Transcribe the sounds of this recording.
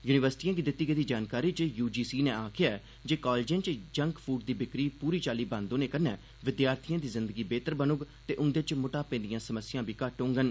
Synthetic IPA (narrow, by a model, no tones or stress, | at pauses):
juːnɪʋəɾsʈiːãːɡiːd̪ɪt̪ːiːɡeːd̪iːd͡ʒaːnkaːɾiːt͡ʃjuːd͡ʒiːsiːnẽːaːkʰɪjaːɛ | d͡ʒeːkaːlːd͡ʒə̃ːnt͡ʃd͡ʒəŋkpʰuːʈ̚d̪iːbɪkɾiːpuːɾiːt͡ʃaːliːbãːnd̪õːneːkəɾnɛː | ʋɪd̪jaːɾt̪ʰijãːd̪iːzɪnd̪əɡiːbeːt̪əɾbənʊɡt̪eːʔʊnd̪et͡ʃmʊʈaːpẽːnd̪ɪjãːsəməsɪjãːbʱiːkaʈːõːŋɡən